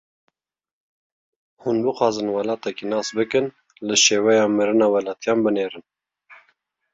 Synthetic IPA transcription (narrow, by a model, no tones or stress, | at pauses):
hunbɨxɑːzɨnwɑlɑːt̪ɛkinɑːsbɨkɨn | lɨʃeːwɛjɑːmɨɾɨnɑːwɛlɑːt̪ʰijɑːnbɨneːɾɨn